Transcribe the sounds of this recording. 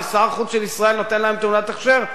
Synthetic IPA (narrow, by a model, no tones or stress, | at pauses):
asaʁχuzʃelisʁae̞lno̞t̪enlaemt̪unat̪aχʃeʁ